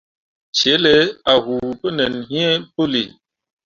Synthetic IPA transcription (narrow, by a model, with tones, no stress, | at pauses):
t͡ʃe˨˦le˨˦a˨ɦu˨pə˦nɛ˨nɦĩ˦ɛ˦po˦lḭ˨